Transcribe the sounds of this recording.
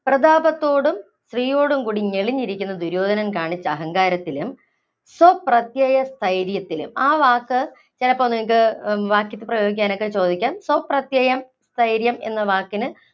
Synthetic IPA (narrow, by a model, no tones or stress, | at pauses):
prɐd̪aːbɐt̪ːo̞ːɽum | sriːjo̞ːɽumkuːɽiɲeɭiɲːiɾikʲːunːɐd̪uɾoːd̪ʱɐnɐnkaːɳit͡ɕːɐɐɦɐŋɡaːɾɐt̪ːilum | soprɐt̪jɐjɐst̪ʰɐjɾjɐt̪ːilṵmaːʋaːkːɨ | t͡ɕilɐpːoːneŋik̬ːɨʋaːkjɐt̪ːɨprɐjo̞ːɡik̬ʲːaːno̞kːet͡ɕo̞ːd̪ikʲːaːnsoprɐt̪jɐjɐm | st̪ʰɐjɾjɐme̞̰nːɐʋaːkːinɨ